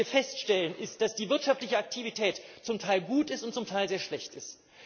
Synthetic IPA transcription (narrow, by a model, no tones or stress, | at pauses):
ɐfɛstʃtɛlənʔɪst̚d̥asd̥iːvɪɐtʃaftlɪçəak̚tʰivitʰɛːtt͡sʊmtʰaɪlɡuːtɪstʊntt͡sʊmtʰaɪlzeːɐʃlɛçtɪst